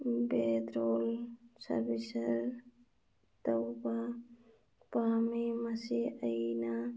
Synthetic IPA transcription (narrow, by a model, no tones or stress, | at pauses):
beːd̪ɾoːlsɐ̰ɾbisɐɾ | t̪ɐwba | paːmimɐsiəina